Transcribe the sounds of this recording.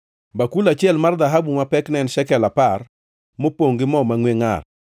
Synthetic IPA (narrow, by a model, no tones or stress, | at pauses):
bakulat͡ʃɪɛlmard̪aɦabumapɛknɛnʃɛkɛlapar | mopoŋɡɪmɔmaŋweŋa̰r